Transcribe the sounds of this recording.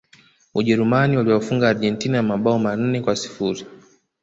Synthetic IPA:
uʄɛɾumaniwaliwɔfuŋɡaːɾʄɛntinajamaɓaɔman̩nɛkwasi̥fuɾi

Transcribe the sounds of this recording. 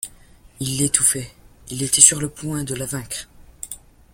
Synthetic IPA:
ilːet̪ufɛilet̪ɛsyʁləpwɛ̃d̪əlavɛ̃kχ

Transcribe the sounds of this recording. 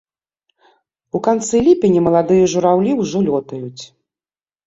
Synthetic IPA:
ukant̪sɨlʲipʲɛnʲimɐlˠad̪ɨjɐʐuɾawlʲiwʐɔlʲɔt̪ɐjut͡sʲ

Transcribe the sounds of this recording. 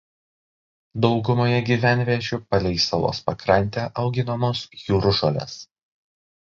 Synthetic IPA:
d̪ɒʊɡʊmoːjɛɡʲiːʋʲæˑnʲʋʲiɛt͡ʃʲupɐlʲɛɪsɐlˠo̰ːspɐkɾɐnʲˑt̪ʲeːʔɐʊɡʲɪnɐmoːsjuːɾʊʃɔlʲḛs

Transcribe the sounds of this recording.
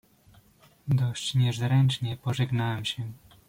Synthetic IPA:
d̪ɔɕt͡ɕɲɛʐzɾɛnt͡ʂɲɛpɔʐɛɡnawɛmɕɛ

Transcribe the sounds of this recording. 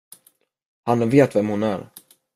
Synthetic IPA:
hanveːt̪vɛmhʊnæːɾ

